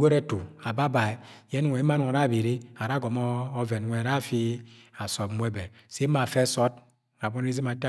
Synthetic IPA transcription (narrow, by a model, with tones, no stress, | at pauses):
ɡo˦ɾe˦tu˨a˨ba˦ba˨i˨je˦nʷ˦˨e˨˦i˦ma˦n˦˨a˨ɾa˦˨bi˨ɾi˦a˨ɾa˦ɡo˨mː˦ve˨nʷ˨e˨a˨ɾa˦˨fi˦a˨sɔ˨˦mʷ˦e˦be˨ | se˦a˨fe˦sɔ˦t | a˨bɔ˦n˦i˦zi˦ma˨ta˦